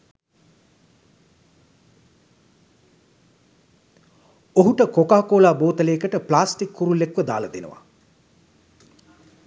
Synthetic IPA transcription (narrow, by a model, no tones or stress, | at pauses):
oɦuʈəkokaːkoːlaːboːt̪əleːkəʈəplaːsʈikːuɾulekʋəd̪a̰ːlɐd̪enə̰ʋa̰